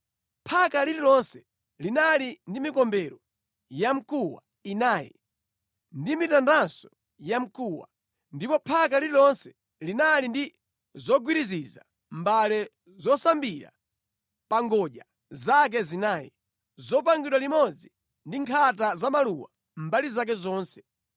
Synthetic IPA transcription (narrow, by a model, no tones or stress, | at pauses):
pʰakalililɔnsɛ̥ | linalindimikɔmbɛɾɔ | jam̩kuwa̰ | inaːjɛ̰ | ndimitandansɔ | jam̩kuwa̰ | ndipɔpʰak̬alililɔnsɛ̥ | linalindi | zɔɡwiɾiziza̰ | mbalɛ | zɔsambiɾa̰ | paŋɡɔɗa | zak̬ɛzinaːjɛ̰ | zɔpaŋɡiɗwalimɔd͡zi | ndiŋkʰatazamaluwa | mbalizak̬ɛzɔːnsɛ̥